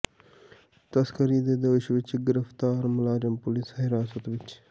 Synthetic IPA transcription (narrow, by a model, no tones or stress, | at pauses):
t̪ɐskɐɾiːd̪ed̪oɪʃʋɪt͡ʃɡɪɾɪft̪aːɾmɐlaːɾɐmpʊlisɦɪɾaːsət̪ʋɪt͡ʃ